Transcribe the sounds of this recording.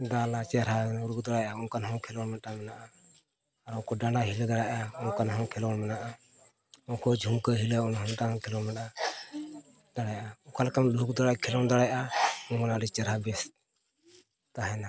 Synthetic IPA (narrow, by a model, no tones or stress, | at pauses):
d̪alat͡ʃɛɾɦauɾuk̚d̪ɔɽajaunkanɦɔ̃kʰɛlɔnmɛtamɛnaʔaː | ɾɔkɔɖaaɦild̪aɽaʔaunkanɦɔ̃kʰɛlɔnmɛnaʔa | ɔ̃kɔd͡ʒʱumkəɦiləunɦɔmʈakʰɛlɔnmɛʈa | d̪aɽajʔaɔ̃kalkanluuk̚d̪ɔɽakʰɛlɔnd̪aɽajʔaɔmanaɾit͡ʃɛɾɦabɛs | t̪aɦɛna